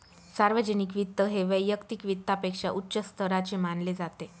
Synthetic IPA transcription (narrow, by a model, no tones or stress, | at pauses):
saɾʋəd͡ʑənikʋit̪ːəɦeʋəjːəkt̪ikʋit̪ːapekʂa̰ʔutːɕəst̪ʰəɾat͡ɕemanled͡zat̪e